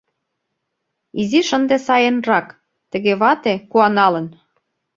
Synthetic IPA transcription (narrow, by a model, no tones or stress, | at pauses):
iziʃə̆nd̪esɑjenrɑk | t̪ə̆ɣeβɑt̪ekuɑnɑlə̆n